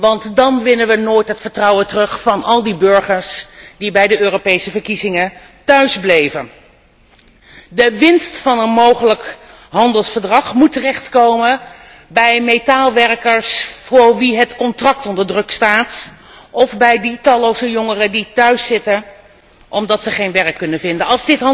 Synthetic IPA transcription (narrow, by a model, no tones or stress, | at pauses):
ʋɑntdɑnʋɪnənʋənoːjtɦətfəɹtrɑwətərɵχfɑnɑlˠdibɵɹχəɹsd̥ibɛjdəøːropejsəvəɹkizɪŋə | tœɥzblejvən | dəʋɪnstfɑnənmowχələk | ɦɑndəlˠsfəɹdrɑχmutərɛχtkowmə | bɛjmejtaːlˠʋɛɹkəɹsfʊːɹʋiɦətkɔntrɑk̚tɔndəɹdrɵkstaːtʔɔvbɛjditɑlowzəjɔŋərəditœɥsːɪtən | ʔɔmdɑtsəχejnʋɛrəkːɵnənvɪndənɑlˠzdɪt